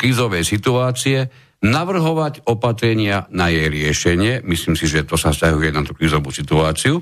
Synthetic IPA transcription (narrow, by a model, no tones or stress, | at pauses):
kɾiːzɔʋɛjsit̪uaːt͡siɛ | naʋr̩ɦɔʋacɔpat̪ɾɛɲɪanajɛjɾɪɛʃɛɲɪɛmisliːmsiʒɛt̪ɔsafscaɦujɛnat̪u̥kɾiːzɔʋusit̪uaːt͡siu